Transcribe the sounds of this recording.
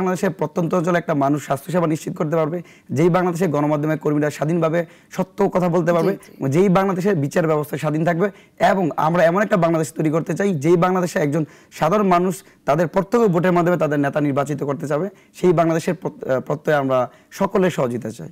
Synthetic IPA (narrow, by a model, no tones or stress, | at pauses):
ŋlad̪eʃeɾpɾɔt̪ːont̪oɔnt͡ɕolɛk̚ʈamanuʃːast̪ʰoʃabaniʃt͡ɕit̪okoɾt̪̬epaɾbe | d͡ʑejbaŋlad̪eʃ̬eɾɡɔnomad̪ʱːomekoɾmiɾaʃad̪ʱinbʱabe | ʃɔt̪ːokɔt̪ʰabolt̪̬epaɾbed͡ʑejbaŋlad̪eʃ̬eɾbit͡ɕaɾbɛbost̪ʰaʃad̪ʱint̪ʰak̚be | eboŋa̰mɾaɛmonɛk̚ʈabaŋlad̪eʃt̪ojɾikoɾt̪et͡ɕajd͡ʑejbaŋlad̪eʃeɛk̚d͡ʑon | ʃad̪ʱaɾonmanuʃ | t̪ad̪eɾpɔɾt̪ʰːokoboʈ̬eɾmad̪ʱomet̪ad̪eɾnet̪aniɾbat͡ɕit̪okoɾt̪et͡ɕabe | ʃejbaŋlad̪eʃeɾpɾot̪ːokeamɾa | ʃɔkoleɾʃɔɦod͡ʑit̪et͡ɕa̰j